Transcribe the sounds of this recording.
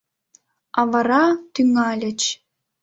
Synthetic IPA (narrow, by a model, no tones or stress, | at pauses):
ɑvɑɾɑt̪yŋɑlʲɘ̆t͡ɕ